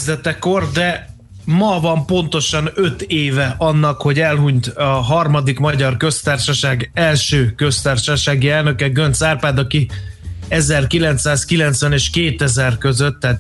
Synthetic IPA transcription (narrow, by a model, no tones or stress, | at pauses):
zd̪ɛt̪ɛko̞rd̪ɛ | mɒvɒmpo̞nt̪o̞ʃɒnø̞t̪eːvɛʔɒnːɒkho̞ɟɛlɦuɲt̪ɒɦɒrmɒd̪ikmɒɟɒrkø̞st̪aːrʃɒʃaːɡɛlʃøːkø̞st̪aːrʃɒʃaːɡiɛlnø̞kɛɡø̞nt̪saːrpaːd̪ɒki | ɛzɛrkilɛnt̪saːskilɛnt̪sʋɛneːʃkeːt̪ɛzɛrkø̞zøt̪ːaːt̪